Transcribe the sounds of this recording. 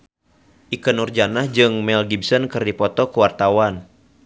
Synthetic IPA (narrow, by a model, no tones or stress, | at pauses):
ʔikənurd͡ʒanahd͡ʒɨŋmɛlɡibsənkɨrdipɔt̪ɔkəwart̪awan